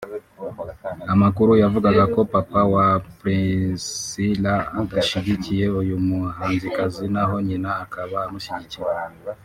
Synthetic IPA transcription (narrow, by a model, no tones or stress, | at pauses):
amakuɾujavuɡaɡako̞papawapɾesilaːtaʃiɟicije̞ujumuɦaːnzikazinaɦo̞ɲinaːkaβaːmuʃiɟiciɾe